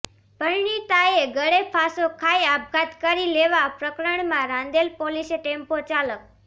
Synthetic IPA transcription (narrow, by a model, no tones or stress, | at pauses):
bʱəɭɳit̪aeɡəɽepʰasokʰaiab̚ʱɡat̪kəɾileʋapɾəkɾəɳmãɾãnd̪elpoliseʈempot͡ʃalək̚